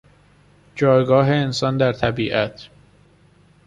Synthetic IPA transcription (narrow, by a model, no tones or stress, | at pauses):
d͡ʒɒːjɡɒːɦe̞ːnsɒːnd̪æɾt̪ʰæbiːʔæt̪ʰ